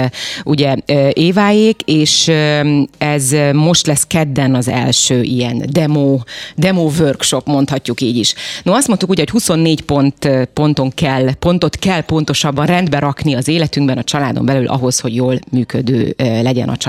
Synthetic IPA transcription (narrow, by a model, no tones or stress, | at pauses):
uɟɛøːʔeːvaːjeːkeːʃ | ɛzmo̞ʃt̪lɛskɛd̪ːɛnɒzɛ̰lʃøːʔijɛnd̪ɛmoːd̪ɛmoːvørkʃopmo̞nt̪hɒcːukiːɟiʃnoɒst̪mont̪ukuːɟɛɦo̞chuso̞nːeːɟpont̪po̞nt̪o̞ŋkɛlːpo̞nt̪o̞t̪kɛlpo̞nt̪o̞ʃɒbːɒnrɛnd̪bɛɾɒkniɒzeːlɛt̪yŋɡbɛnɒt͡ʃɒlaːd̪o̞̰mbɛlylʔɒ̰ɦo̞sho̞ɟjoːlmyːkød̪ø̰ːlɛɟɛ̰nɒ̰t͡ʃ